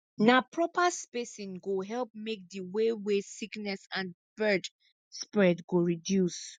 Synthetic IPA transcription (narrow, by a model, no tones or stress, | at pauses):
napʰɹɔpaspesĩnɡoɦɛlp̚mek̚diwewesiknɛsãn | b̥ɜd | spɹɛdɡoɹidjus